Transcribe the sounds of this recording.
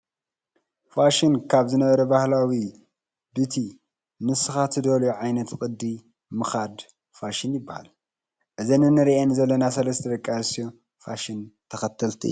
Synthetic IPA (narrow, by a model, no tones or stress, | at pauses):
faʃinkʰaβzɨnɐβɐɾɐbahlawi | bɨt̪ʰi | nɨsɨxat̪ʰɨd̪oljoʕajnɐt̪kʼɨd̪ːi | mɨxad̪ | faʃinjɪbːaha̰l | ʔɨzɐnɨnɨɾiʔenzɐlːɐnasɐlɐst̪ʰɐd̪ɐkʼːajɨsio | faʃint̪ʰɐxɐt̪ʰɐlt̪ʰiɨ̰ju